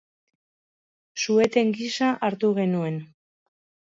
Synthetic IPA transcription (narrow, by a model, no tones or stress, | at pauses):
sue̞t̪e̞ŋɡisaʔaɾt̪uɣ̞e̞nue̞n